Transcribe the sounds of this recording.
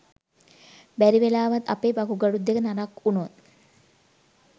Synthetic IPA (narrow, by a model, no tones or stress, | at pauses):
bæɾiʋelaːʋat̪a̰peːbakuɡaɽud̪ːekənaɾakunot̪